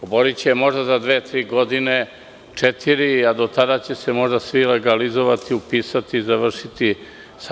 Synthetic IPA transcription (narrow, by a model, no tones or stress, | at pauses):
oboɾit͡ɕemo̞ʒd̪azad̪ʋeːt̪ɾiːɡo̞d̪ine | t͡ʂet̪ʰiɾiad̪o̞t̪ad̪at͡ɕe̞semo̞ʒd̪asʋile̞ɡalizoʋat̪iupiːsat̪izaʋr̩ʃit̪i | s